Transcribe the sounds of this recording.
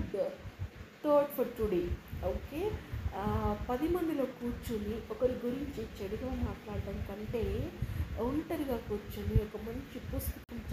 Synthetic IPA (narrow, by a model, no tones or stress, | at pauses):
t̪oːɾʈpʰɐɾʈuɽeoːkeː | pɐd̪imɐnd̪ilo̞ːkuːɾt͡ʃuniɔkɐɾiɡuɾiɲt͡ʃit͡ʃɐɽiɡaːmaːʈlaːɽɐɽɐnikɐɳʈe̞ːɐwuɳʈɐɾiɡaːkuːɾt͡ʃuniɔkɐmɐɲt͡ʃipust̪u̥kun